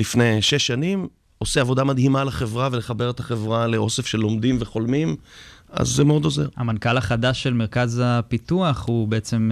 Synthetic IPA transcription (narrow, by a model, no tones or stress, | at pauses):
lifnejʃeʃːanim | oseavo̞d̪amad̪himalaχe̞vʁavele̞χabe̞ʁet̪aχevʁale̞ʔo̞se̞fʃe̞lo̞md̪imveχo̞lmim | a̰zːemeo̞d̪o̞zeʁhamankalaχadaʃe̞lme̞ʁkazapit̪uaχhubeet͡se̞m